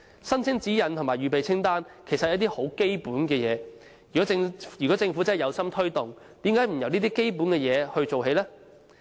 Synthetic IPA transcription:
sɐ˥nt͡sʰɪ˥ŋt͡siː˨˥jɐ˨nt̪ʰʊ˨ŋmaː˨˩jɥyː˨p̬e˨jt͡sʰɪ˥ŋt̪aː˥nkʰe˨˩jsɐ˨jɐ˨˥wt̪iː˥ho˨˥wke˥jpuː˨˥nkɛː˧jɛː˨˧ | jyː˨kɔ˨˥˧ŋyː˨˩kɔː˨˥t͡sɪ˧ŋfu˨˥t͡sɐ˥˨jɐ˨˧wsɐ˥mt̪ʰɵ˥ɥt̪ʊ˨ŋ | t̪iː˨˥mkaː˨˥jm̩˨˩jɐ˨wniː˥t̪iː˥ke˥jpuː˨˥nkɛː˧jɛː˨˧hɵ˧ɥt͡so˨wɦe˨˧jlɛː˥

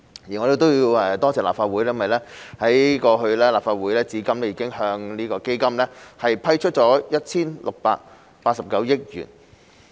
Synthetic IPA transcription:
jiː˨˩ŋɔ˨˧ɾe˨˧t̪̬o˥wji˧wɛ˧˩t̪ɔː˥t͡sʰɛː˨˩la̰ː˨pfaː˧wu˨˥jlɛː˥mɐ˨jlɛː˥hɐ˨˥ji˥kɔː˧ɦɵ˧ɥlɛː˥laː˨pfaː˧t̚wuː˨˥jlɛː˥t͡siː˨˧kɐ˥mlɛː˥jiː˨˧kɪ˥ŋhœː˧ŋniː˥kɔː˧ke˥jkɐ˥mlɛː˥hɐ˨jpʰɐ˥jt͡ʃʰɵ˥t̚t͡ʃɔː˨˥jɐ˥t̚t͡sʰiː˥nlʊ˨k̚pa̰ː˧k̚ | paː˧t̚sɐ˨p̚kɐ˨˥wjɪ˥k̚jy̰ː˨˩n

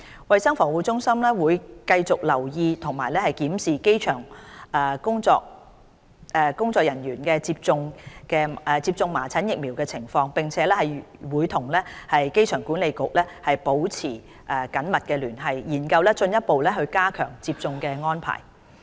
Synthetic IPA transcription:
wɐ˨jsɐ˥ŋfɔː˨˩wuː˨˧t͡sʊ˥ŋsɐ˥mlɛː˥wuː˨˧jkɐ˧jt͡sʊ˨k̚lɐ˨˩wjiː˧t̪ʰʊ˨˩ŋmaː˨˩jlɛː˥hɐ˨jkiː˨˥msiː˨ke˥jt͡ʃʰœː˨˩ŋɛ˨˩kʊ˥ŋt͡sɔ̰ː˧k̚ | ɛ˨˧kʊ˥ŋt͡sɔː˧k̚jɐ˨˩nɥyː˨˩nkɛː˧t͡siː˧p̚t͡sʊ˧ŋkɛː˧˨t͡siː˧p̚t͡sʊ˧ŋmaː˨˩t͡sʰɐ˨˥njɪ˨k̚mi˨˩wkɛː˧t͡sʰɪ˨˩ŋfɔː˧ŋpɪ˨ŋt͡sʰɛː˨˦lɛː˥hɐ˨jwuː˨˧jt̪ʰʊ˨˩ŋlɛː˥hɐ˨jke˥jt͡ʃʰœː˨˩ŋkuː˨˥nle˨˧jkʊ˨k̚lɛː˥hɐ˨jpo˨˥wt͡sʰiː˨˩ | ʔɛː˨kɐ˨˥nmɐ˨t̚kɛː˧lyː˨˩nɦɐ˨˧jjiː˨˩nkɐ˧wlɛː˥t͡ʃɵ˧njɐ˥t̚po˨wlɛː˥ɦɵ˧ɥkaː˥kʰœ̰ː˨˩ŋt͡siː˧p̚t͡sʊ˧ŋkɛː˧ŋɔː˥npʰa̰ː˨˩j

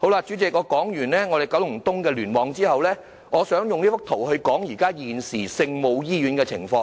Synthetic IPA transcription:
ho˨˥wlaː˧t͡ʃy˨˥t͡sɪ˨k̚ŋɔː˧kɔː˨˥ŋjyː˨˩nlɛː˥ŋɔː˧d̪e˨˩jkɐ˨˥wlʊ˨˩ŋt̪ʊ˥ŋkɛː˧lyː˨˩nwɔː˨˥ŋt͡siː˥hɐ˨wlɛː˥ | ŋɔː˨˧sœː˨˥ŋjʊ˨ŋliː˥fʊ˥k̚t̪ʰo˨˩whɵ˧ɥkɔː˨˥ŋjiː˨˩kaː˥jiː˨˩nsiː˨˩sɪ˧ŋmo˨˧wjiː˥jyː˨˥nkɛː˧t͡sʰɪ˨˩ŋfɔː˧ŋ

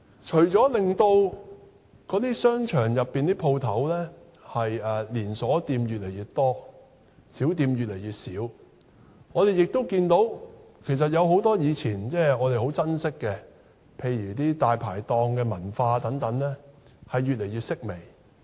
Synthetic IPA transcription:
t͡ʃʰɵ˨˩ɥt͡ʃɔː˨˥lɪ˨ŋt̪o˧w | kɔː˨˥t̪iː˥sœː˥ŋt͡ʃʰœː˨˩ŋjɐ˨pːiː˨nt̪iː˥pʰo˧wt̪ʰɐ˨˥wlɛː˥ | hɐ˨jɛː˨liː˨˩nsɔː˨˥t̪iː˧mjyː˨t̚le˨˩jyː˨tt̪ɔː˥ | siː˨˥wt̪iː˧mjy˨t̚le˨˩jyː˨t̚siː˨˥w | ŋɔː˨˧ɾe˨jɪ˨k̚t̪o˥wkiː˧nt̪o˨˥wkʰe˨˩js̬ɐ˨t̚jɐ˨˧wɦo˨˥wt̪ɔː˥jiː˨˧t͡sʰiː˨˩nt͡sɛː˥˩ɔː˨˧ɾe˨jho˨˥wt͡sɐ˥nsɪ˥kːɛ˧ | pʰe˧jjyː˨˩t̪iː˥t̪aː˨˧jpʰa̰ː˨˩jt̪ɔː˧ŋkɛː˧mɐ˨˩nfaː˧t̪ɐ˨˥ŋt̪ɐ˨˥ŋlɛː˥hɐ˨jːyː˨t̚le˨˩jɥyː˨t̚sɪ˥k̚me˨˩j

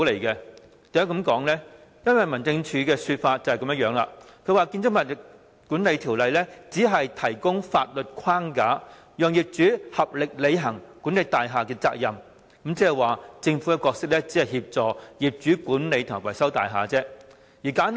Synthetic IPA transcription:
le˨˩jkɛ˧ | t̪ɐ˨jɐː˨˥kɐ˨˥mkɔː˨˥ŋlɛ˥jɐ˥nwɐ˨jmɐ˨˩nt͡sɪ˧ŋt͡ʃʰyː˨˧kɛː˧syː˧t̚faː˧t̚t͡sːɐ˨˩hkɐ˨˦mjɐ˥t̚jœː˨˧˥ŋla̰ː˧˨kʰɵ˨˧˥waː˨˧kiː˧nt͡sʊ˥mɐ˨t̚t̚ | ku˨˥nle˨˧jt̪ʰi˨˩wlɐ˨jlɛː˥t͡siː˨˥ɦɐ˨jt̪ʰɐ˨˩jkʊ˥ŋfa̰ː˧t̚lɵ˨t̚kʷʰaː˥ŋkaː˨˥ | jœː˨˧ŋjiː˨p̚t͡ʃyː˨˥hɐ˨p̚lɪ˨k̚le˨˧jɦɐ˨˩ŋkuː˨˥nle˨˧jt̪aː˨jɦaː˨kɛ˧t͡sa̰ː˧k̚jɐ˨m | kɐ˨˦mt͡sɛː˥ɛ˨jwaː˨t͡sɪ˧ŋfu˨˥kɛ˧kɔː˧k̚sɪ˥k̚lɛː˥t͡si˨˥ɐ˨jhiː˧p̚t͡sɔː˨jiː˨˩p̚t͡ʃyː˨˥kuː˨˥nle˨˧jt̪ʰʊ˨˩wɐ˨˩jsɐ˥wt̪a̰ː˨jɦa̰ː˨t͡sɛː˥ | jiː˨˩kaː˨˥n

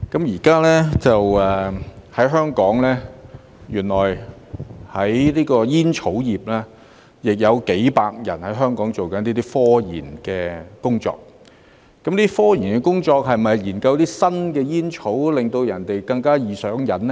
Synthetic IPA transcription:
kɐ˨˥mjiː˨˩kaː˥lɛː˥t͡sɐ˨wɛː˨hɐ˨˥jɦœː˥ŋkɔː˨˥ŋlɛː˥ | jyː˨˩nlɔː˨˩j | hɐ˨˦jliː˥kɔː˧jiː˥nt͡ʃʰo˨˥wjiː˨p̚laː˥ | jɪ˨k̚jɐ˨˧wke˨˥jpaː˧k̚jɐ̰˨˩nhɐ˨˥jɦœː˥ŋkɔː˨˥ŋt͡so˨˩wkɐ˨˥nt̪iː˥t̪iː˥fɔː˥jḭː˨˩nkɛː˧kʊ˥ŋt͡sɔ̰ː˧k̚ | kɐ˨˥mniː˥i˥fɔː˥jiː˨˩nkɛ˧kʊ˥ŋt͡sɔː˧k̚ɦɐ˨jmɐ˨jjiː˨˩nkɐ˧wt̪iː˥sɐ˥nkɛː˧jiː˥nt͡ʃʰo˨˥wlɪ˨ŋt̪o˧wjɐ˨˩nt̪e˨jkɐ˧ŋkaː˥jiː˨sœː˨˥ŋjɐ˨˥n

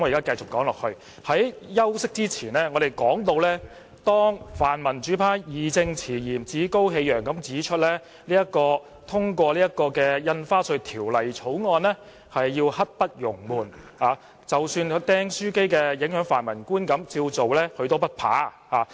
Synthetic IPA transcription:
mɔː˨˧jkaː˥kɐ˧jt͡sʊ˨kːɔː˨˥ŋlɔː˨k̚hɵ˧ɥ | hɐ˨˥jjɐ˥wsɪ˥k̚t͡siː˥t͡sʰiː˨˩nlɛː˥ŋɔː˨˧d̪e˨jkɔː˨˥ŋt̪o˧wlɛː˥ | t̪ɔː˥ŋfaː˨˩nmɐ˨˩nt͡ʃyː˨˥pʰaː˨˥jiː˨t͡sɪ˧ŋt͡sʰiː˨˩jiː˨˩mt͡siː˨˥ko˥wɦe˧jœː˨˩ŋkɐ˨˥mt͡siː˨˥t͡ʃʰɵ˥t̚lɛː˥ | liː˥jɐ˥t̚kɔː˧ | t̪ʰʊ˥ŋkʷɔː˧liː˥jɐ˥t̚kːɔː˧kɛː˧jɐ˧nfaː˥sɵ˧t̪ʰiː˨˩wlɐ˨˩jt͡sʰo˨˥wŋɔː˧nɛː˥ | hɐ˨jːiː˧whɐ˥t̚pɐ˥t̚jʊ˨˩ŋmuː˨˩nhaː˨˧ | t͡sɐ˨wsyː˧n˧t̪ɛː˥ŋsyː˥ke˥jkɛː˧jɪ˨˥ŋhœː˨˥ŋfaː˨˩nmɐ˨˩nkuː˥nkɐ˨˥mt͡siː˧wt͡so˨wlɛː˥hɵ˧t̪o˥wpɐ˥t̚pʰa̰ː˨˥ | haː˨˧

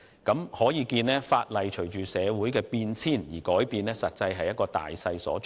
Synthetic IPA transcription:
kɐ˨˥mhɔː˨˥jiː˨˧kiː˧nɛː˥faː˧t̚lɐ˨jt͡ʃʰɵ˨˩ɥt͡ʃyː˨˩sɛː˨˧wuː˨˥jkɛː˧piː˧nt͡sʰiː˥˩njiː˨˩kɔː˨˥jpiː˨˧nɛː˥sɐ˨t̚t͡sɐ˧jɦɐ˨jɐ˥t̚kɔː˧t̪a̰ː˨jsɐ˧jsɔ̰ː˨˥t͡ʃ

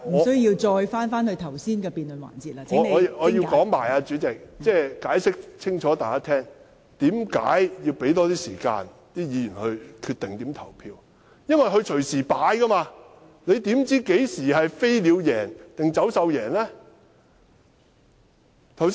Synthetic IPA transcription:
ŋm̩˨ɔ˩˨˧sɵ˥jjiː˧wt͡ʃɔː˧jfaː˥nfaː˥nhɵ˧ɥt̪ʰɐ˨˩wsiː˥nkɛː˧piː˧nlɵ˨nwa̰ː˨˩nt͡siː˨t̚laː˧˥˨ɔː˨˧ɔː˨˧ji˧kɔː˨˥ŋmaː˨˩jaː˧t͡ʃyː˨˧˥t͡sɪ˨k̚t͡sɛː˥˩kaː˨˥jsɪ˥k̚t͡sʰɪ˥ŋt͡ʃʰɔː˨˥t̪aː˨jkaː˥t̪ʰɛː˥ŋ | t̪iː˨˥mka̰ː˨˥jji˧wpe˨˥jt̪ɔː˥t̪iː˥siː˨˩ka̰ː˧n | t̪iː˥jiː˨˧jyː˨˩nhɵ˧ɥkʰyː˧t̪̚ɪ˨ŋt̪iː˨˥mt̪ʰɐ˨˩wpʰiː˧w | jɐ˥nwɐ˨˩jɦɵ˧t͡ʃʰɵ˨˩ɥsiː˨˩paː˨˥jkɐ˥maː˧ | ne˨˧jt̪iː˨˥mt͡siː˨˥ke˨˥jsiː˨˩hɐ˨jfe˥jliː˨˧wjɛː˨˩nt̪ɪ˨ŋt͡sɐ˨˥wsɐ˨˧wjɛː˨˩nlɛː˥ | t̪ʰɐ˨˩ws

